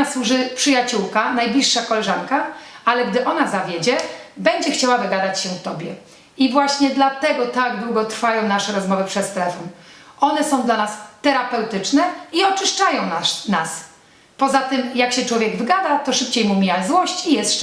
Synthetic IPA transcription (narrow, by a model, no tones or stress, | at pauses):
aswuʐɘpʂɘjat͡ɕuwkanajblʲiʂːakɔlɛʐaŋkaʔalɛɡd̪ɘʔɔnazavʲjed͡ʑɛbɛɲd͡ʑɛxt͡ɕawavɘɡad̪at͡ɕɕɛt̪ɔbʲjɛ | ivwaɕɲɛd̪lat̪ɛɡɔt̪aɡd̪wuɡɔt̪ɾfajɔ̃w̃naʂɛɾɔzmɔvɘpʂɛt̪t̪ɛɾɛfɔnʔɔnɛsɔ̃w̃d̪lanast̪ɛɾapɛwt̪ɘt͡ʂnɛiɔt͡ʂɘʂt͡ʂajɔ̃w̃nanas | pɔzat̪ɘmjakɕɛt͡ʂwɔvʲjɛɡvɘɡad̪at̪ɔʂɘpt͡ɕejmumʲjazwɔɕt͡ɕijɛst̪